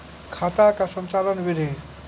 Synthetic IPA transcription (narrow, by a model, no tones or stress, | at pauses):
kʰat̪akasənt͡ʃalənʋid̪ʱi